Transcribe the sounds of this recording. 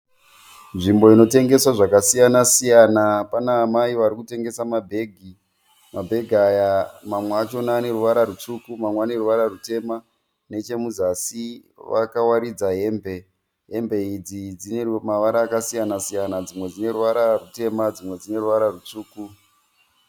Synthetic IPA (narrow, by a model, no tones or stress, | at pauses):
nʐimbo̞ino̞te̞ŋɡe̞swaʐakasijanasijanapanaːmaiʋaɾikute̞ŋɡe̞samabʱe̞ːɡʱi | mabʱe̞ɡʱajamamweat͡ʃo̞naːne̞ɾuʋaɾaɾut͡sukumamweane̞ruʋaɾarute̞ma | ne̞t͡ʃe̞muzasi | ʋa̰kawaɾid͡zaɦe̞ːmbʱe̞ | ɦe̞mbʱe̞id͡zid͡zinemaʋaɾaːkasijanasijanad͡zimwe̞d͡zine̞ruʋaɾarute̞mad͡zimwe̞d͡zine̞ruʋaɾarut͡suːku